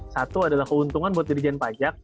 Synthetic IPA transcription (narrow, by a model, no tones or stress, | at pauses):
sat̪uadalahkəunt̪uŋanbuat̪̚dəɾid͡ʒɛnpad͡ʒak̚